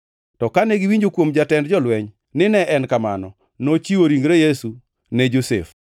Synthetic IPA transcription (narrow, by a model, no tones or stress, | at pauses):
tɔkanɛɡɪwiɲd͡ʒokwomd͡ʒatɛndd͡ʒɔlwɛɲ | nɪnɛʔɛnkamanɔ | not͡ʃiwoɾiŋɡɾejesu | nɛd͡ʒosḛf